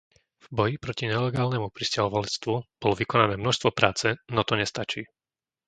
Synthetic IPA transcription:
v̥bɔjipɾɔciɲɛlɛɡaːlnɛmupɾiscaɦɔʋalɛt͡st̪ʋub̥ɔlɔʋikɔnanɛːmnɔʃst̪ʋɔpɾaːt͡sɛnɔt̪ɔɲɛst̪at͡ʃiː

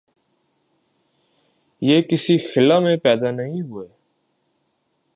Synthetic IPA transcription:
jeːkɪsiːxɪlaːmẽːpɛːd̪aːnəɦĩɦʊeː

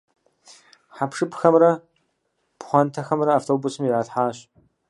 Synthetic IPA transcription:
ħapʰʂɨpʰxɐmrɐ | pχʷɔntʰɐxɐmrɐːftʰoːbusmiaːɬħaːɕ

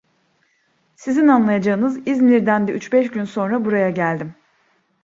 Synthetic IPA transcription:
sizinanlˠajad͡ʒaɯnɯzizniɾd̪ænd̪iyt͡ʃbɛʃɟynso̞nɾabuɾajaɟælʲd̪im

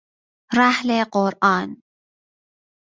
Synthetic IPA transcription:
ɾahleqoɾʔɑːn

